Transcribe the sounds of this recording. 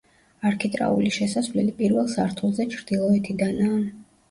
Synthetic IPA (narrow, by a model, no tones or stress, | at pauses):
aɾkʰit̪ʼɾa̰ṵliʃɛsasvlɛlipʼiɾvɛlˠsaɾt̪ʰulˠzɛt͡ʃʰɾd̪̥ilˠɔɛt̪ʰid̪anaːn